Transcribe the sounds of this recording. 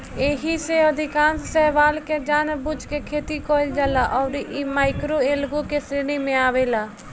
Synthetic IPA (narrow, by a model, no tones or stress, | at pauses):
eːɦiseəd̪ʱɪkãːnssɛːʋaːlked͡ʒaːnbʊd͡ʒkekʰeːt̪ikoːld͡ʒaːlaʔɔːɾimaːɪkɾoeːlɡokeseːnimẽaːʋeːlaː